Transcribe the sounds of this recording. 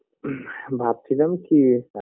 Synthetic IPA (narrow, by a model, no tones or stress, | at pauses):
bʱaːb̚t̪ʰinəmki